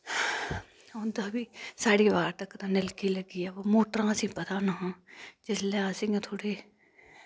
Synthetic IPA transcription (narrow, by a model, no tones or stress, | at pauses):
õnd̪aːbiːsaːɽiːʋaːɾt̪əkt̪ãːnɪlkiːləɡiːaːʋoːmoːʈɾãːəsĩːpət̪aːnaɦãːd͡ʒɪslãːsɪ̃ŋɡt̪ʰoːɽeː